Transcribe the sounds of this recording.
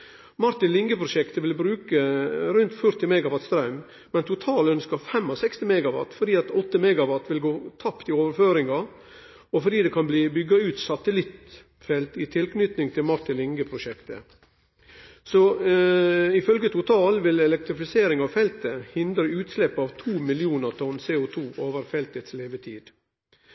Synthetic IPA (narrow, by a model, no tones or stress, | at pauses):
mɑɾt̪ɪnlɪŋɡəpʰɾʊʃɛkt̪əʋɪlbɾʉːkəɾʉnt̪fœɾt̪ɪmɛɡɑʋɑt̪st̪ɾɑʉm | mɛnt̪ʰʊt̪ʰɑːlœnskəɾfɛmːɔsɛkst̪ɪmɛɡɑʋɑ̰t̪fɔɖiːɑt̪ɔt̪ːəmɛɡɑʋɑt̪ʋɪlɡoːt̪ʰɑpt̪ɪoːʋəɾføːɾɪŋɑ | ɔfɔɾɖ̪iːd̪ɛkʰɑnbliːbʏɡɑʉːt̪sɑt̪əlɪt̪ | fɛlt̪ɪt̪ʰɪlknʏt̪nɪŋt̪ʰɪlmɑʈ̪ɪlɪŋɡəpʰɾʊʃɛkt̪ə̰ | sɔ | ɪfœlɡət̪ʊt̪ʰɑːlʋɪlɛlɛk̚t̪ɾɪfɪseːɾɪŋɑʋfɛlt̪əhɪnd̪ɾəʉːt̪slɛpːɑːʋt̪ʰuːmɪlɪuːnəɾt̪ʰɔnːseːʊt̪ʰuːʔoːʋəɾfɛlt̪ət̪sleːʋət̪ʰiːd̪̥